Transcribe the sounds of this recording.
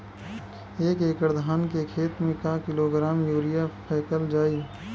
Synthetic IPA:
eːkeːkəɾd̪ʱaːnkekʰeːt̪mẽkakɪloːɡɾaːmjuːɾɪjapʰɛːkəld͡ʒaːiː

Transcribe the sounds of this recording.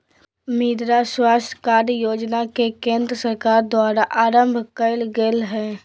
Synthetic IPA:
miːd̪ɾaswaːst̪ʰkaːɾjoːd͡ʒnakekẽːnd̪ɾəsəɾkaːɾd̪waːɾaʔaːɾə̃mbʱkəɪlɡeːlɦɛː

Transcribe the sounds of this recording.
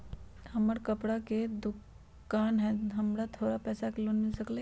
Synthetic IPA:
həməɾkəpɽaked̪uk | kkanɦɛ̃ɦəmɾat̪ʰoːɾapɛːsakelonmilsəkle

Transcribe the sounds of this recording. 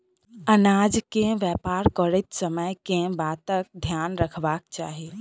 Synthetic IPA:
ənaːd͡ʒkẽʋjɛːpaːɾkɔɽɪt̪səməjkẽbaːt̪ək̚d̪ʱjaːnɾɐkʰʋaːk̚t͡ʃa̰ːɦiː

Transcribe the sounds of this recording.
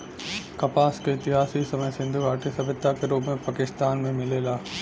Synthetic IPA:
kɐpaːskeɪt̪ɪɦaːsisɐməjsɪ̃nd̪ʱuɡaːʈisɐbɪt̪ːakeɾuːbmẽpakɪst̪aːnmẽmɪleːlaː

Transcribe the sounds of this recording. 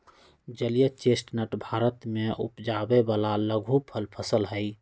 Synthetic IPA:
d͡ʒəlijət͡ʃesʈnəʈbʱaːɾət̪meʔṵpd͡ʒabebalaləɡʱupʰəlpʰəsəlɦəɪ

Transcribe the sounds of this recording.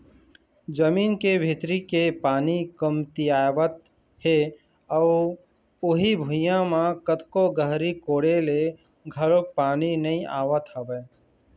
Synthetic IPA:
d͡ʒəmiːnkebʱit̪ɾikepaːnikəmt̪iaːʋət̪ | he | ɔː | ʊɦibʱʊjãmãkət̪koɡəɦɾikoːɽele | ɡʱəɾok̚paːninɐɦĩʔa̰ːʋət̪ɦɐbəː

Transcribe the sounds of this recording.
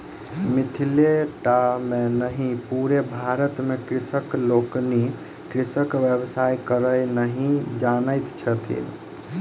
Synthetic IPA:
mit̪ʰileʈamenəɦĩpuɾebʱaɾət̪mekɾisəklokni | kɾisəkʋjebsajkəɾəjnəɦĩd͡ʒanəjt̪t͡ʃʰət̪ʰḭn

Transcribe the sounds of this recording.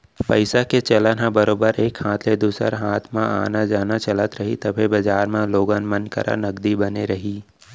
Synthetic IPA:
pəɪsaket͡ʃɐlanabɐɾoːbəɾeːkhãːt̪ʰled̪uːsə̰ɾɦaːt̪ʰmãa̰ːnad͡ʒaːnat͡ʃɐlət̪ɾɐɦit̪ɐbʱebɐd͡ʒaːɾmãloːɡənmənkɐ̰ɾʔa̰nɐɡd̪ibɐneɾɐɦiː

